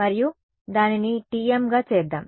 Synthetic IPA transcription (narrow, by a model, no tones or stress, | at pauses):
ɐɾiju | d̪aːniniʈiːemɡaːt͡ʃeːd̪ːa̰ːm